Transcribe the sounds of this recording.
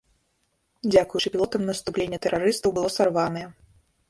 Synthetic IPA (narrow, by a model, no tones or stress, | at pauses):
d͡zʲakujut͡ʂɨpʲilˠɔt̪ɐmnɐst̪uplʲenʲːɛt̪ɛɾʔaɾɨst̪ɐwbɨlˠɔsarvanɐjɛ